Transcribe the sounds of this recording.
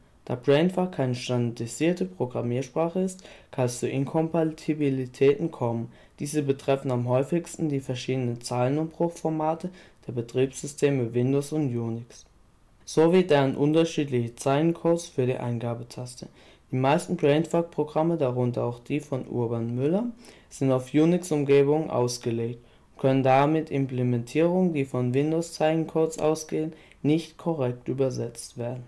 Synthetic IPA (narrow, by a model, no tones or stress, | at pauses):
d̥aːbʁɛɪntfakʰaɪnəʃtandadiziːɐtəpʁ̥oɡʁamiːɐʃpʁ̥aːχəɪstkʰanɛst͡suʔɪnkʰɔmpatʰibilitʰɛːtn̩kʰɔmən | d̥iːzəbətʁ̥ɛfn̩amɦɔʏfɪçstn̩diːfɛɐʃiːdənənt͡saːlənʊmbʁʊxfɔɐmaːtʰəd̥eːɐbətʁ̥iːpz̥ʏstʰeːməvɪndoːsʊntjuːnɪks | z̥oviːdeːʁənʔʊntɐʃiːtlɪçət͡saɪlənkʰoʊsfyːɐɾḭːʔa̰ɪnɡaːbətʰastʰə | d̥iːmaɪstn̩ɡʁɛɪntfak̚pʁ̥oɡʁamədaʁʊntɐaʊxd̥iːfɔnʔʊ̰ɐbanmʏlɐ | z̥ɪntaʊfjuːnɪksʊmɡeːbʊŋənʔa̰ʊsɡ̥əleːkt | ʊntkʰœnəndamɪtʰɪmplemɛntʰiːʁʊŋəndiːfɔnvɪndoʊst͡saɪlənkʰoʊsʔa̰ʊsɡ̥eːən | nɪçtkʰɔʁɛk̚tʔyːbɐzɛt͡stv̥eːɐdn̩